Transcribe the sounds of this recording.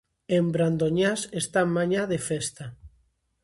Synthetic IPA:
embɾand̪oɲasest̪amaɲaðefest̪a

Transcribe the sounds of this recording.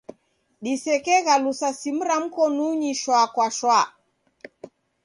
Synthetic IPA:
ɗisɛkɛɣalusasim̩ɾam̩kɔnuɲiʃwakwaʃwa

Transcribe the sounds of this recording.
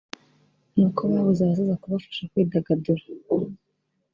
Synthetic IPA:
nuːkʰoβaːβozaaz̬izakuβafḁʃakwiːdaɡaduɾa

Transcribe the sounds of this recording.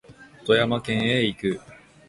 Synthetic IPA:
o̥t̪o̞jamakẽ̞ɰ̃eikɯ̟

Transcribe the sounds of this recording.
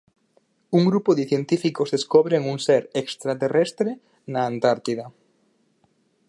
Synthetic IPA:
uŋɡɾupoðɪθjent̪ifikozðeskoβɾeŋuŋseɾekst̪ɾat̪erest̪ɾe | naant̪aɾt̪iða

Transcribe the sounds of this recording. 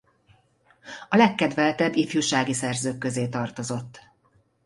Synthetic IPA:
ɒlɛkːɛd̪vɛlt̪ɛbːifjuʃaːɡisɛrzøːkːø̞zeːt̪ɒrt̪o̞zo̞t̪ː

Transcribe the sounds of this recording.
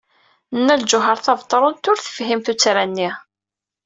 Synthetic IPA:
nːæld͡ʒʊɦəɾˤθɑvt̪ˤːɾˤʊnt̪ʊɾθə̥fɦimθut͡sːɾænːi

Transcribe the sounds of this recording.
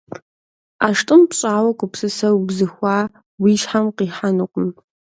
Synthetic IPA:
aːʂtʼɨmpɕʼaːwɐkʷʼʊpsɨsɐwbzɨxʷaː | wiːʃħamqiːħanuqʷʊm

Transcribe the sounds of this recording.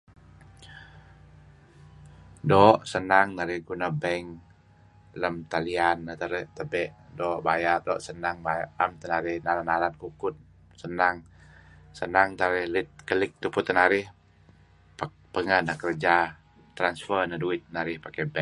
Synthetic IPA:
dɔʔsənaŋnaɾɪhɡunabɛŋ | ləmt̪alianːat̪əɾət̪əbɛʔdɔʔbajardɔʔsənaŋbajaamt̪ənaɾɪhnalanalankukʊt̪̚ | sənaŋ | sənaŋt̪əaɾɪhlɪt̪̚kəlɪk̚t̪upʊt̪ːənaɾɪh | p | pəŋənakəɾd͡ʒa | t̪ɾansfərnaduɪt̪̚naɾɪhpakɛbɛ

